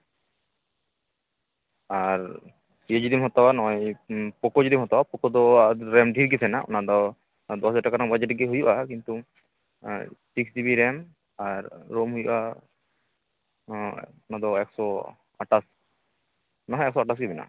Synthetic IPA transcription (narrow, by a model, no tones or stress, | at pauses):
aɾ | ied͡ʒiɾimɦɔt̪ɔanɔjpɔkod͡ʒidimɦɔt̪ɔapɔkɔd̪ɔaɾɛmd̪ʱiɾɡit̪ʰɛnaʔɔ̰nad̪ɔ | d̪ɔsɛʈakaɾaŋbad͡ʒɛʈɡeɦujuʔakint̪u | siksd͡ʒibiɾɛm | aɾːomɦujʔa | ɔnad̪ɔɛksɔ | aʈas | nɔɦɛɛksɔaʈasɡɛbɛna̰